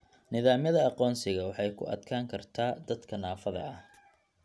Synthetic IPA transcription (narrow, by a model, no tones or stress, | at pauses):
nɪðaːmjɐðɐɑqɔːnsɪɣɐwɑħɑjkʰʊ̰ʔɐ̰d̪kʰaːŋkʰɐrt̪ʰaːd̪ɐd̪kʰɐnaːfɐðɐ̰ɐh